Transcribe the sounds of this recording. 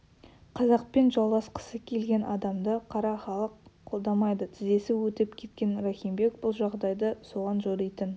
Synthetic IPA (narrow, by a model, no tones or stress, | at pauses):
qʰɑzɑq̚penʒɑlˠʁɑsqə̥səkʲʰe̞lɡʲe̞nʔɑd̪ɑmd̪əqʰɑɾɑχɑlˠəqʰːo̞lˠd̪ɑmɑjd̪ət̪ʰɪze̞sɪwɵt̪ɪpkʲʰe̞t̪̚kʲe̞nɾaχimbe̞k̚bʊlˠʒɑʁd̪ɑjd̪əso̞ʁɑnʒoɾˠijt̪ən